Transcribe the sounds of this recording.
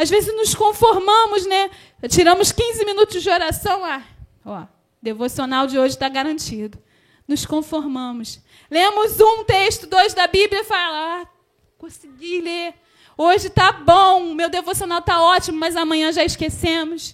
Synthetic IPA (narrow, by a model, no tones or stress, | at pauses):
azvezɪznʊskõfoɾmɐ̃mʊznɛ | t͡ʃiɾɐ̃mʊskĩzɪminut̪ʊzd͡ʒɪoɾasɐ̃w̃la | ɔ | d̪evosionawd͡ʒɪoʒɪt̪aɡaɾɐ̃nt͡ʃid̪ʊ | nʊskõfoɾmɐ̃mʊs | lẽmʊzũt̪eʃt̪ʊd̪ojzd̪ɐbibliɐfalɐa | kõsɪɡile | oʒɪt̪abõʊmewd̪evosionawt̪aɔt͡ʃimʊmɐzɐmɐ̃ɲ̃ɐ̃ʒaɪskesẽmʊs